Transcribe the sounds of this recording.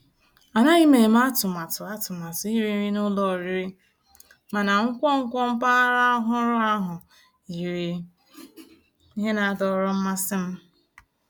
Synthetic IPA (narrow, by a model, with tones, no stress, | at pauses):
a˨na˦i˦me˨m̩˦a˦tʊ˨ma˨tʊ˨a˦tʊ˨ma˨tʊ˨i˦ɾi˦ɾi˦nʊ˦lɔ˦˨ɾi˦ɾi˦ | ma˨na˨ŋ̩˦kʷɔ˦ŋ̩˦kʷɔ˦m̩˦pa˦ɾa˦ɦʊ˦ɾʊ˦a˦ɦʊ˨ | i˨ɾi˨˦ | i˦ɦe˦na˨a˦dɔ˨˦ɾʊ˦m̩˦ma˦sɪ˦m̩˦